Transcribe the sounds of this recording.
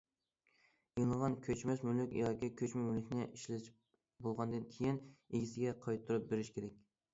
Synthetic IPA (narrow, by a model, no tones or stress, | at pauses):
eŋəʁɑnkʲʰøt͡ʃmɛsmylykʲjɑkʲikʲʰøt͡ʃmɛmylykʲnɪʔiʃlɪʃ | bolˠʁɑnd̪ɨnkʲʰejineɡʲisɪɡʲɛqʰɑjt̪ʰːuɾup̚beɾɪʃkʲeɾɛk̚ʲ